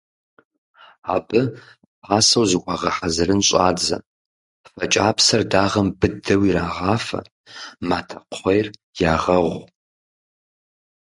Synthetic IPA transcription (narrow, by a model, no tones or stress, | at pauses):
a̰ːpʼɨ | aːsɐwzɨkʷʼaʁɐħazɨrɨnɕʼaːd͡zɐ̰ | fɐt͡ʃʼaːpsɐrdaːʁɐmbɨdɐwiɾaːʁaːfɐ̰ | maːtʰɐqʰʷejr | jaːʁɐʁʷ